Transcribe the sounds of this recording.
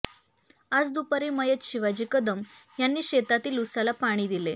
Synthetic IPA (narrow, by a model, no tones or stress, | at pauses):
ad͡zd̪upəɾiːməjət̪ɕiʋad͡ʑikəd̪əmjanːiːɕet̪at̪iːlusalapaɽ̃iːd̪ile